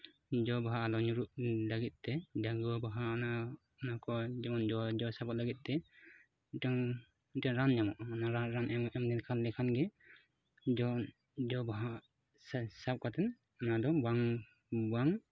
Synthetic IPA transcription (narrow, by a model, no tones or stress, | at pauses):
d͡ʒɔbaɦaːlɔɲuɾuʔlaɡit̪̚ˀt̪ɛdaɡɔbaɦaɔna | ɔnakɔd͡ʒɛmɔnd͡ʒɔd͡ʒɔsabɔtlaɡit̪̚ˀt̪ɛ | itaŋ | itaŋɾanɲamɔʔɔnaɾaɾanɛmɛmd̪ɛnkʰanlɛkʰanɡɛ | d͡ʒɔ | d͡ʒɔbaɦa | ssap̚kat̪ɛn | ɔnad̪ɔbaŋ | baŋ